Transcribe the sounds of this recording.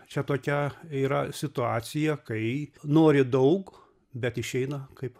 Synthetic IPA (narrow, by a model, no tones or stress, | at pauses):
t͡ʃʲɛt̪oːkʲɛiːɾɐsʲɪt̪ʊɑːt̪sʲɪjɛkɐɪnoːɾʲɪd̪ɐʊk | bʲɛt̪ɪʃʲɛɪnɐkɐɪp